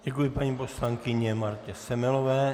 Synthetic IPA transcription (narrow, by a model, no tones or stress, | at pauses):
ɟɛkujɪpaɲiːposlaŋkɪɲɛmaɾcɛsɛmɛlovɛː